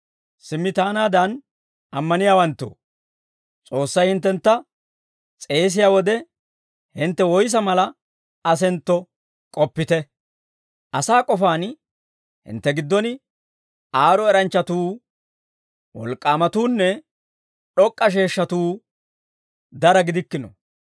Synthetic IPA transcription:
sɪmːɪt̪aːnaːd̪ɐn | ɐmːɐnɪjaːwɐnt̪ːo̰ | t͡sʼo̞ːsːɐjhɪnt̪ːɛnt̪ːɐ | t͡sʼe̞ːs̬ɪjaːwɔd̪ɛ | hɪnt̪ːɛwɔjs̬ɐmɐlɐ | ɐs̬ɛnt̪ːɔ | kʼɔpːɪt̪ɛ | ʔɐsaːkʼɔfaːn | hɪ̰nt̪ːɛɡɪd̪ːɔnɪ | aːɾɔɛɾɐnt͡ʃːɐt̪uː | wɔ̰lkʼːaːmɐt̪uːnːɛ | ɗɔkʼːɐʃ̬e̞ːʃːɐt̪uː | d̪ɐɾɐɡɪd̪ɪkːɪnɔ̰

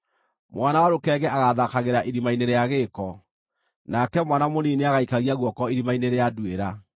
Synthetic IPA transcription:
mwanawaɾokɛɣɛʔaɣaðakaɣeɾaʔiɾimaineɾeaɣekɔ | nakɛmwanamonineaɣaikaɣiaɣwɔkɔiɾimaineɾeadweɾa

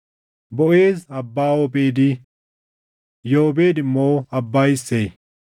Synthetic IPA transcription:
bɔʔeːzɐbːaːwobeːd̪ɪ | joːbe̞ːd̪ɪmːoːɐbːaːjɪsːej

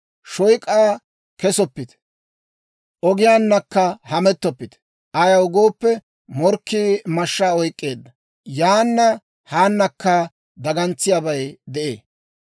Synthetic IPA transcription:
ʃɔjkʼːaː | kɛsɔpːɪt̪ | ʔɔɡɪjaːnːɐkːɐhɐmɛt̪ːɔpːɪt̪ | ʔɐjɐʊɡo̞ːpːɛ | mɔɾkːimɐʃːaːɔjkʼːe̞ːd̪ːɐ | jaːnːɐ | haːnːɐkːɐ | d̪ɐɡɐnt͡sːɪjaːbɐjd̪ɛʔeː

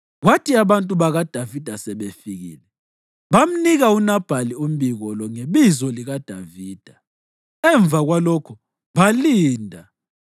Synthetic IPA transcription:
ɣwatʰiaβantʼuβaɣad̥ʱavid̥ʱasɛβefiɣḭːlɛ | βam̩niɣaunab̥ʱalium̩biɣɔlɔŋeβizɔliɣad̥ʱa̰viːd̥ʱa | ɛɱb̪vʱaɣwalɔkʰɔ | βaliːndʱa

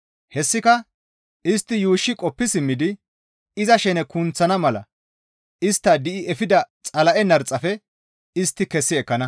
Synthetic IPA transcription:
hɛsːɪkɐ | ʔɪst̪ːɪjuːʃːɪkʼɔpːɪsɪmːɪd̪ɪ | ɪzɐʃɛnɛkʊnt͡sːɐnɐmɐlɐ̰ | ɪst̪ːɐd̪ɪʔɪʔɛfɪd̪ɐt͡sʼɐlɐʔɛnɐɾt͡sʼːɐfɛ | ɪst̪ːɪkɛsːɪɛkːɐnɐ

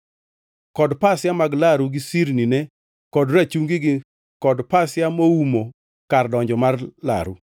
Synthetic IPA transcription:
kɔdpasjamaɡlaɾuɡɪsiɾninɛ | kɔdɾat͡ʃuŋɡɪɡɪ | kɔdpasjamoumo | kardɔɲd͡ʒɔmarla̰ɾṵ

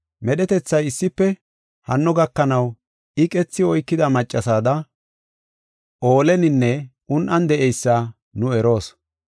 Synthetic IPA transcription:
mɛɗɛt̪ɛt͡sːɐjɪsːɪpːɛ | hɐnːɔɡɐkːɐnɐw | ɪkʼɛt͡sːɪɔjkːɪd̪ɐmɐt͡ʃʼːɐsaːd̪ɐ | ʔo̞ːlɛnɪnːɛʔʊnʔɐnd̪ɛʔɛjsːɐ | nʊɛɾo̞ːs

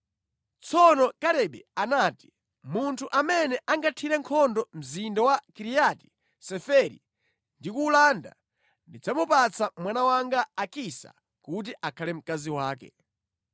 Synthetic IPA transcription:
t͡sɔnɔkaɾɛɓɛanaːti̥ | muntʰuʔamɛnɛʔaŋɡatʰiɾɛŋkʰɔndɔm̩zindawakiɾijati̥ | sɛfɛɾḭ | ndikuːlaːnda̰ | ndid͡zamupat͡sʰamwanawaŋɡaːkisa̰ | kut̬iʔakʰalɛm̩kaziwaːkɛ̰

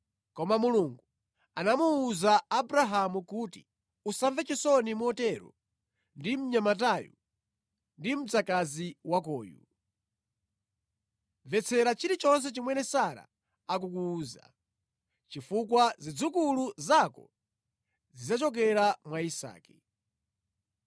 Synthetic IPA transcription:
kɔmamuluŋɡu | anamuːzaːbuɾaɦamukuti̥̰ | usaɱvɛt͡ʃisɔnimuɔtɛɾɔ̰ | ndim̩ɲamat̬ajṵ | ndim̩t͡sakaziwakɔ̰ːjṵ | vɛt͡sʰɛɾat͡ʃiɾit͡ʃɔns̬ɛt͡ʃimwɛnɛsaɾa̰ | ak̬ukuːza̰ | t͡ʃifukwazid͡zukuluzakɔ̰ | zizat͡ʃɔk̬ɛɾamwaisa̰ːki̥

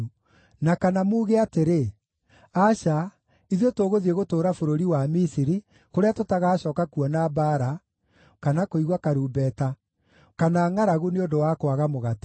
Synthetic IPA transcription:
nakanamuːɣeateɾe | aɕa | iðjotoːɣoðieɣotoːɾafoɾoɾiwamisiɾi | koɾeatotaɣaːɕɔːkakuɔnabaɾa | kanakoiɣwakaɾuːbɛta | kanaːŋaɾaɣuneondowakwaɣamoɣat

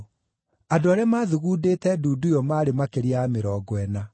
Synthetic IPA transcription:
adoaɾeamaðuɣuːdetɛduːdujɔmaɾemakeɾiameɾɔːɡwɛna

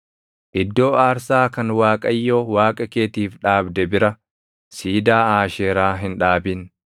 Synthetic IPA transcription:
ʔɪd̪ːo̞ːaːɾsaːkɐnwaːkʼɐjːoːwaːkʼɐke̞ːt̪iːfᶑaːbd̪ɛbɪɾɐ | siːd̪aːaːʃeːɾaːɦɪnᶑaːbɪn

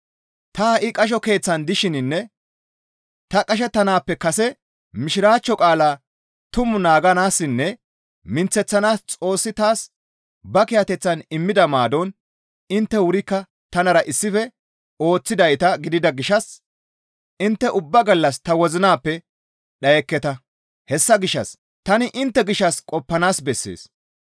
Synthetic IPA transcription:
t̪ɐʔɪkʼɐʃ̬ɔke̞ːt͡sːɐnd̪ɪʃɪnɪnːɛ | t̪ɐkʼɐʃ̬ɛt̪ːɐnaːpːɛkɐsɛ | mɪʃɪɾaːt͡ʃːɔkʼaːlaː | t̪ʊmʊnaːɡɐnaːsːɪnːɛ | mɪnt͡sːɛt͡sːɐnaːst͡sʼo̞ːsːɪt̪aːs | bɐkɪjɐt̪ɛt͡sːɐnɪmːɪd̪ɐmaːd̪ɔn | ɪnt̪ːɛwʊɾɪkːɐ | t̪ɐnɐɾɐʔɪsːɪfɛ | o̞ːt͡sːɪd̪ɐjt̪ɐɡɪd̪ɪd̪ɐɡɪʃɐs | ɪnt̪ːɛʔʊbːɐɡɐlːɐst̪ɐwɔzɪnaːpːɛ | ɗɐjɛkːɛt̪ɐ | hɛsːɐɡɪʃːɐs | t̪ɐnɪʔɪnt̪ːɛɡɪʃːɐskʼɔpːɐnaːsbɛsːḛːs

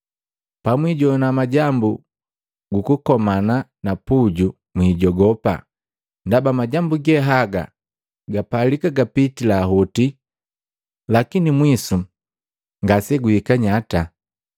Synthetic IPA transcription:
pamwiɟɔnamaɟambu | ɡukukɔmananapuɟu | mwiːɟɔɡɔpa̰ | ndabamaɟambuɡɛɦaɡa̰ | ɡapalikaɡapitilaːɦɔti | lakinimwisu | ŋɡasɛɡuhikaɲata

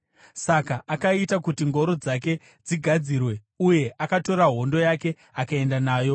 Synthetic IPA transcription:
sakaʔakaitakutiŋɡo̞ɾod͡zak̬e̞ | d͡ziɡʱad͡zirwe | uje̞ʔakato̞ɾaɦo̞ndo̞jake̞ | akae̞ndanaːjo̞

